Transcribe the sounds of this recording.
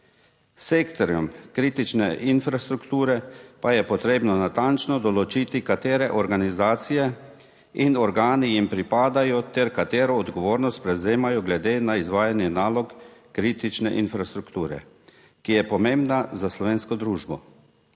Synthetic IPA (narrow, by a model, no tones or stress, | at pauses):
seːkt̪ɔɾjɔmkɾiːt̪it͡ʃnɛʔinfɾast̪ɾukt̪uːɾɛpajɛpɔt̪ɾeːbnɔnat̪ant͡ʃnɔd̪ɔlɔt͡ʃit̪ikat̪eːɾɛʔɔɾɡanizaːt̪sijɛ | inɔɾɡaːnijimpɾipaːd̪ajɔt̪ɛɾkat̪eːɾɔːd̪ɡɔʋoːɾnɔst̪̚pɾɛwzeːmajɔɡlɛd̪eːnaizʋaːjanjɛnaːlɔkː | ɾiːt̪it͡ʃnɛʔinfɾast̪ɾukt̪uːɾɛ̰ | kijɛpɔmẽmbnazaslɔʋeːnskɔd̪ɾuːʒbɔ